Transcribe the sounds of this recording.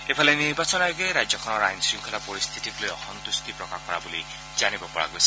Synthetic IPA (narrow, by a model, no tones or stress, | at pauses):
epʰaleniɾbasɔnajoɡeɾajd͡zjɔkʰɔnɔɾajnsɹiŋkʰɔlapɔɹist̪ʰitiklojɔhɔnt̪ust̪ipɹɔkakɔɹabuli | zanibɔpɔɹa̰ɡojsʰ